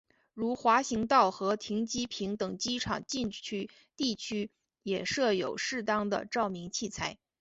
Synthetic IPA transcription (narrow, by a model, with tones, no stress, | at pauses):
ɻu˧˥xwa˧˥ɕi˧˥ŋt̪ɑ˥˩ʊxɤ˧˥t̪ʰi˧˥ŋt͡ɕi˥pʰi˧˥ŋt̪ɤ˨˩ŋt͡ɕi˥ʈ͡ʂʰɑ̰˨˩ŋt͡ɕi˥˩nt͡ɕʰy˥ | t̪i˥˩t͡ɕʰy˥ | jɛ˨˩ʂɤ˥˩jo˨˩ʊʂɻ̩˥˧t̪ɑ˥ŋd̪ə̰˨ʈ͡ʂɑ˥˩ʊmi˧˥ŋt͡ɕʰi˥˩t͡sʰa˧˥ɪ